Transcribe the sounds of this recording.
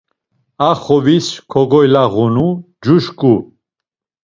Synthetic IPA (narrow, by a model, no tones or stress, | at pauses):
aχɔviskʰɔɡɔjlaʁunu | d͡ʒuʃkʼu